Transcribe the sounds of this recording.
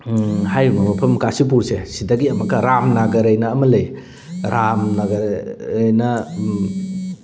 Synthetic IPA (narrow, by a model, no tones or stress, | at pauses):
hajumɐmɐpʰɐmkasip̬uɾsesidɐɡiɐmɐkɐɾamnaɡɐɾɐjnɐːmɐlɐj | ɾʔamnaɡɐjnɐ